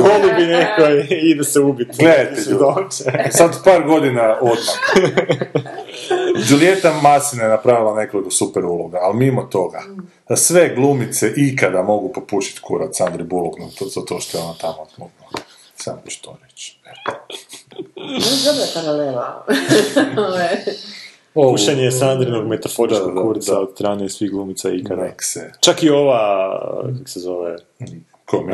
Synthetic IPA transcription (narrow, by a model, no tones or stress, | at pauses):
olibinekoid̪ɛseupit̪nɡled̪ajt̪eʎuoesad̪paːɾɡo̞d̪inaod̪mam | d͡ʒulje̞t̪amasinajenapɾaʋilˠane̞kolˠikosupɛɾulˠoɡaːlmimot̪o̞ɡa | asʋe̞ɡlˠumit̪seʔikad̪amo̞ɡupopuʃi̥t̪kʰuɾat̪sand̪ɾibulˠoknot̪ozat̪oːʃt̪oeonat̪amot̪nut̪no | samot͡ʃt̪oɾet͡ʃet̪ | azobapaɾalela | oʋa | opuʃeɲesand̪ɾinoɡmet̪ofoɾiskokkuɾsaod̪st̪ɾaːnesʋiɣɡlˠuːmit̪saikkad̪akset͡ʃakio̞ʋa | kako̥sezo̞ʋe | kʰom